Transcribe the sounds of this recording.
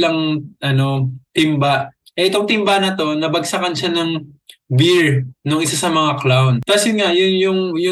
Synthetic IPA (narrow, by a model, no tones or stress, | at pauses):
lɐŋʔɐno̞t̪ɪmbaʔ | ʔɛʔɪt̪oŋt̪ɪmbanɐt̪o̞nɐbɐɡsakɐnʃanɐŋbɪɹnʊŋʔɪsasɐmɐŋaklawnk̪asɪŋaʔjʊnjʊŋjʊ